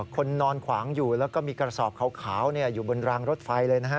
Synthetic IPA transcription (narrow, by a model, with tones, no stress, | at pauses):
kʰo˧nːɔː˧nkʰwaː˩˦ŋjuː˨˩lɛː˦˥kɔː˥˩miː˧kɾa˧sɔː˨˩p̚kʰa˨˩˦wkʰaː˩˦wni˥˩ɐjuː˨˩bo˧nɾaː˧ŋɾo˦˥t̪̚fa˧jlɤː˧jna˦˥a˦˥